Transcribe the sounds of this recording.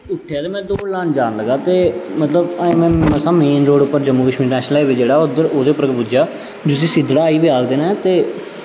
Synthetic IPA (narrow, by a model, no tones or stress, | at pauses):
ʊʈʰːeaːd̪eːmɛ̃ːd̪oːlãːnd͡ʒaːnləɡaːt̪eːmət̪ləbaːmɛ̃ːməsãːmeːnɾoːɽʊpːəɾd͡ʒəmːuːkəʃmiːɾnɛːʃnəlaeːʋed͡ʒeːɽaːod̪əɾoːd̪eːpːɾəkepud͡ʒaː | d͡ʒos̬ĩːsɪd̪ɽaːiːbiaːɡd̪eːnãːt̪eː